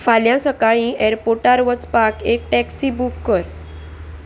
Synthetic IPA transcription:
faljãsəkaɭĩʔeɾpoʈaɾʋət͡spakek̚ʈɛksibukːəɾ

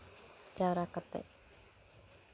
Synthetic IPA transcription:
d͡ʒaɾakət̪ɛ̰ʔ

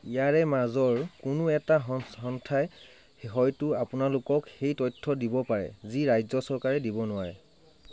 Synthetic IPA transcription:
ijaɹɛmazɔɹkʊnʊɛtaɦɦɔntʰaj | ɦɔjtʊapʊnalʊkɔkxejtɔjtʰːɔdibɔpaɹɛ̰ziɹajzɔsɔɹkaɹɛdibɔnʊwaɹɛ̰

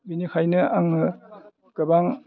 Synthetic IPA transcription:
binikʰajnɯaŋnɯ | kɯbaŋ

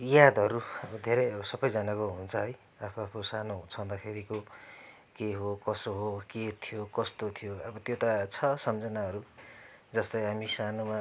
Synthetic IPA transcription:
jad̪ʱʌɾuʌbʌd̪ʱeɾʌjʌbʌsʌbʌjd͡zʌnakoɦunt͡sʰʌɦʌj | apʰuapʰkosanoɦũt͡sʰʌnd̪akʰeɾiko | keɦokʌsoɦoket̪ʰijokʌst̪ot̪ʰijoʌbʌt̪jot̪at͡sʰʌsʌmd͡zʌnaɦʌɾu | d͡zʌst̪ʌjɦamisanoma

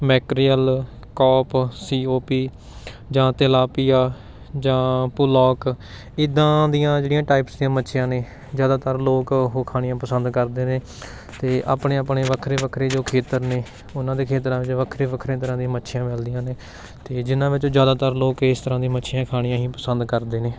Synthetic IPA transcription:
mɛːkɾijəl | kɔːpsiːoːpiː | d͡ʒãːt̪elaːpijaː | d͡ʒãːpʊlɔːk | ɪd̪ãːd̪ijãːd͡ʒeːɽijãːʈaːɪpsd̪ĩãːmətːʃʰjãːneː | zjaːd̪aːt̪əɾloːkɦoːkʰaːɽɪ̃jãːpəsənd̪kəɾd̪eːneː | t̪eːʔa̰ːpɳeːapɳeːʋəkʰɾeːʋəkʰɾeːd͡ʒoːkʰeːt̪əɾneː | ʊnãːd̪eːkʰeːt̪ɾãːʋɪt͡ʃʋəkʰɾeːʋəkʰɾẽːt̪əɾãːd̪ijãːmətːʃʰɪjãːmɛːld̪ijãːneː | t̪eːd͡ʒɪnãːʋɪt͡ʃoːd͡ʒjaːd̪aːt̪əɾloːkɪst̪əɾãːd̪ĩmətːʃʰɪjãːkʰaːɽ̃ijãːɦĩːpəsənd̪kəɾd̪eːneː

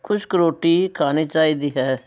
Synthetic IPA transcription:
kʰʊt͡ʃkəɾoːʈiːkʰaːniːt͡ʃaːiːd̪iːɦɛː

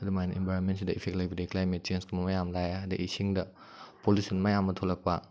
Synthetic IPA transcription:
ɐdumajnembajɾonmensidɐipʰeklibʰidiklajmet̚t͡ʃenskumɐmajamlajadɐʔisiŋdɐ | polisɔnmajamɐtʰolɐk̚pa

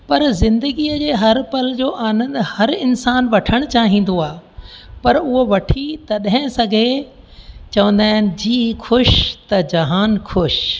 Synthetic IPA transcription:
pɐɾzɪ̃nd̪əɡiːəd͡ʑeːɦɐɾpɐld͡ʑoːʔaːnə̃nd̪hɐɾɪnsaːnʋɐʈʰəɽ̃t͡ɕaːɦĩːn̆d̪oaːpɐɾʊɦoʋɐʈʰit̪ɐɗɦɪ̃sɐɡʱe | t͡ɕɐʋə̃n̆d̪aːɦɪnɪ̆d͡ʑiːxʰʊʃt̪ɐd͡ʑɐɦaːnxʰʊʃ

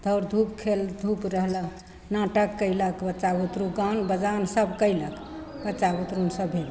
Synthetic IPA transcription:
d̪ʱəwɾd̪ʱupkʰeld̪ʱupɾəɦlə | nãʈəkːəɪləkbətːt͡ʃaut̪ɾuɡanbəd͡ʒansəbkəjlək | bətːt͡ʃʃaut̪ɾunsəbʱel

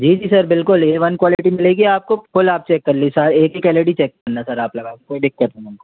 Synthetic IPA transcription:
d͡ʒiːd͡ʒiːsɐɾbɪlkʊljeʋɐnkwɔːlɪʈimɪleːɡiaːp̚kokʊlaːp̚t͡ʃɛkːɐɾlisɐɾeːkɦikɛleʈit͡ʃɛkːɐɾnasɐɾaːplɐɡaːkkoːiɖɪkːɐɾt̪ẽnko

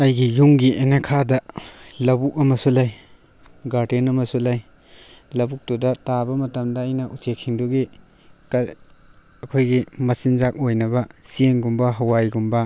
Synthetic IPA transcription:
ɐjɡijuŋɡiʔenekʰadɐlɐbuk̚ɐmɐsulaj | ɡaɾdenɐmɐsulaj | lɐbuk̚tudɐtabɐmɐtɐmdɐːjnɐʔusekʰːiŋduɡi | k | ɐkʰojɡimɐsinzak̚ojnɐbɐsienɡumbɐɦɐwajɡumbɐ

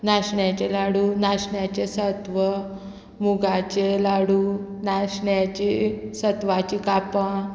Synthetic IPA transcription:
naɕɳjat͡ɕelaɽuːnaɕɳjat͡ɕesət̪ʋə | muɡat͡ɕelaɽunaɕɳjat͡ɕisət̪ʋat͡ɕikapã

